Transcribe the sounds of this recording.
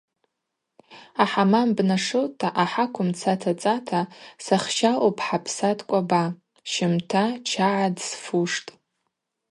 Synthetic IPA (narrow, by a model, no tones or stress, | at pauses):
aħamambnaʂowtʰːaʔaħakʷʰʊmt͡sʰatʰat͡sʼatʰasaχʃawopʰʼħapʰsatʰʼkʷʼaba | ʃɪmtʰat͡ʃʰaʕadsfuʂtʼ